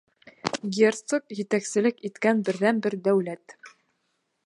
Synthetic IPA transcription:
ɡʲert̪sokjɘ̆t̪æksɘ̆lɘkit̪kænbɘ̆ɾðænbɘɾd̪æwlæt̪

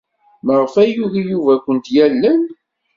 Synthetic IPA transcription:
məʁəfæjuʝijuvækʷənt̪jælːən

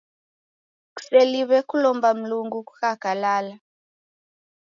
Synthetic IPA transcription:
ku̥seliβɛkulɔmbam̩luŋɡuku̥kaɡ̥ʱalaːla

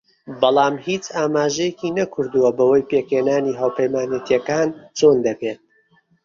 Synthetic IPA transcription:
bɑlˠɑːmhiːt͡ʃaːmaːʒɛjɛkinɐkʰʊɾd̪uwɐbɐwɐjpeːkheːnaːniɦaːwpʰɐjmaːnjɛt̪ijɛkaːnt͡ʃoːnd̪ɐpeːt̪̚

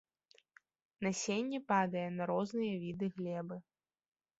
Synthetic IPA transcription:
nɐsʲenʲːipad̪ɐjɛnɐɾɔznɨjɐvʲid̪ɨɣlʲɛbɨ

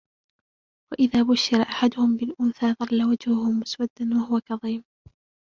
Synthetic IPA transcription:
waʔɪðaːbʊʃːɪɾaʔaħad̪ʊhʊmbɪlʔʊnθaːðˤɑlːawad͡ʒhʊhʊmʊswad̪ːanwahʊwakɑðˤiːm

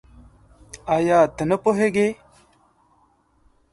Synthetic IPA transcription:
ajaːt̪ənəpoɦeɡe

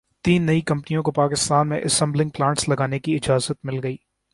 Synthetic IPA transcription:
t̪iːnːɐikɐ̃mpnijõkopaːkɪst̪aːnmḛ̃ʔɐsɛ̃mblɪ̃ŋɡ̚plãːɳʈslɐɡaːnekiɪd͡ʒaːzət̪mɪlɡɐiː

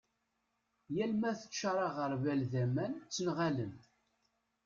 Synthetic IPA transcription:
jælmæθə̥t͡ʃːaɾˤɑʁəɾˤvælðæmænt͡sːənʁalən

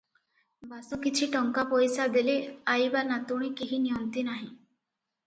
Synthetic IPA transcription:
basukit͡ɕʰiːʈəŋkapɔjsad̪eleajbanat̪uɽ̃ikiɦiːnijənt̪inaɦĩ

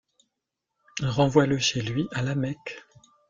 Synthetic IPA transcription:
ilʁɑ̃vwaləʃelɥiʔalamɛk

